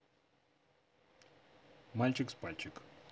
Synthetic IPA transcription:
malʲt͡ɕɪkspalʲt͡ɕɪk

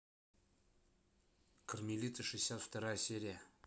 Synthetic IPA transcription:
kərmʲɪlʲit̪sʲəʂɨjsʲat̪ft̪ɐɾajəsʲeɾʲɪjə

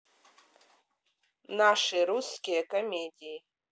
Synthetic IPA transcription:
naʂeɾuskʲijakomʲedʲij

